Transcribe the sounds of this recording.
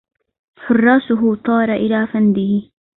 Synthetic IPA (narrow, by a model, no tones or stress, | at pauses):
ħʊrˤːɑːsʊɦʊt̪ˤɑːɾˤɑʔɪlaːfand̪ɪhɪ